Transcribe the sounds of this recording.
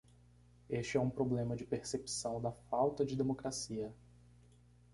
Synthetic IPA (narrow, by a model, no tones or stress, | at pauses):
eʃt͡ʃɪɛũpɾoblẽmɐd͡ʒɪpeɾsepsɐ̃w̃d̪ɐfawt̪ɐd͡ʒɪd̪emokɾasiɐ